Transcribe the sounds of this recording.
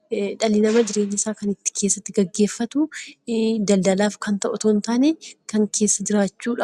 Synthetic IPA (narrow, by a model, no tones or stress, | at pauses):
ᶑɐlɪnɐmɐd͡ʒ̪ɪɾe̞ːɲːɪsaːkɐnɪt̪ːɪ̥kʰe̞ːsːɐt̪ːɪɡɐɡːe̞ːfːɐt̪ʊ | d̪ɐld̪ɐlaːfkɐnt̪ɐʔʊt̪oːnt̪aːnekɐŋkʰeːsːɐd͡ʒ̪ɪɾaːt͡ʃːuːᶑɐ